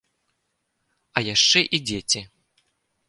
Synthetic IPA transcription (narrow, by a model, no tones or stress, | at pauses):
ɐjaʂt͡ʂɛʔid͡zʲɛt͡sʲɛ